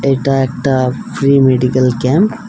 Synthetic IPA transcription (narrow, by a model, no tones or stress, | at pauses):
eʈaek̚ʈafɾiːmeɖikɐlkɛ̃mp